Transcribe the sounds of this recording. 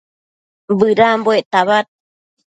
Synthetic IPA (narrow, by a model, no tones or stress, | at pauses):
bɯɾamboeʔt̪aβat̪̚